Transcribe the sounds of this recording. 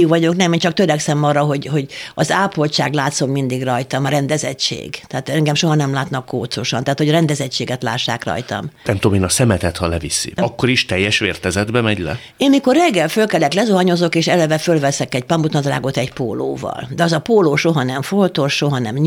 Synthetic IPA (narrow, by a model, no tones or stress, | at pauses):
kʋɒɟo̞knɛmeːnt͡ʃɒk̚t̪øɾɛksɛmɒːrːɒɦo̞ɟho̞ɟɒzaːpolt͡ʃaːɡlaːt̪so̞mmind̪iɡrɒjt̪ɒmɒɾɛnd̪ɛzɛ̰t͡ʃːḛːɡt̪ɛːt̪ɛŋɡɛmʃo̞ɦɒnɛmlaːt̪nɒkːoːt̪soʃɒnt̪aːt̪hoɟɾɛnd̪ɛzɛt͡ʃːeːɡɛt̪la̰ːʃːa̰ːkrɒ̰jt̪ɒ̰mnɛmt̪oːmeːnɒsɛmɛt̪ɛt̪hɒlɛvisḭɒkːoɾiʃt̪ɛjːɛʃʋeːrt̪ɛzɛd̪bɛmɛɟlɛ̰ | eːnmiko̞rːɛɡːɛlfølkɛlːɛklɛzoɦɒɲo̞zo̞keːʃɛlɛvɛfølvɛsɛkɛɟpɒmbut̪nɒd̪ra̰ːɡo̞t̪ɛɟpo̰ːlo̰ːvɒ̰ld̪ɛɒzɒpoːloːʃoɦɒnɛɱfolt̪oʃʃo̞ɦɒnɛmɲ